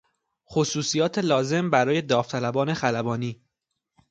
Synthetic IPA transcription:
xosuːsijɒːt̪ʰe̞lɒːze̞mbæɾɒːje̞d̪ɒːft̪ʰælæbɒːne̞xælæbɒːniː

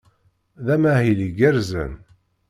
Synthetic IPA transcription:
ðæmæhiliɡæɾzə̰n

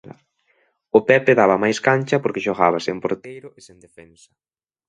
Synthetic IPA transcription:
ʊpɛpeðaβɐmajskant͡ʃɐpoɾkeʃoɣaβɐsempoɾt̪ejɾʊʔesend̪efɛnsɐ̥

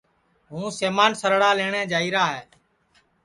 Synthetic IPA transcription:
ɦũːseːmaːnsəɾɽaːleːɳẽːd͡ʒaːiːɾaːɦɛː

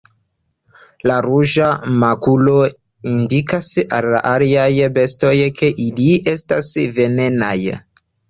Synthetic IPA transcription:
laɾuʒamakulo̞ | indikasa̰lːa̰ʔaliajbe̞sto̞jkʰe̞ʔilie̞stasve̞ne̞na̰j

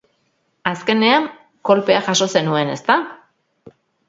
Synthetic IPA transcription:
aske̞ne̞aŋ | ko̞lpe̞aʝaso̞se̞nue̞ne̞st̪a

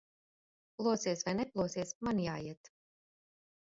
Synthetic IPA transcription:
plˠuɔsiɛsvajnɛplˠuɔːsiɛsmanjaːjiɛt̪

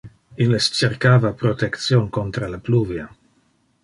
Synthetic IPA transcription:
ilest͡ʃeɾkaːvapɾot̪ekt̪sjonkont̪ɾalapluvja

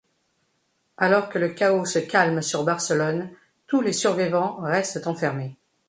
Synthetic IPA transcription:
alɔʁkələkaosəkʲalmsyʁbaʁsəlɔn | t̪ulesyʁvivɑ̃ʁɛst̪t̪ɑ̃fɛʁme

